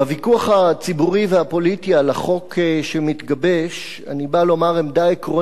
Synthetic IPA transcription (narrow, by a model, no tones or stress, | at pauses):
avikuaχat͡sibuʁiveapo̞litialaχo̞kʰʃemit̪ɡabe̞ʃ | a̰nibalo̞maʁemd̪aekʁo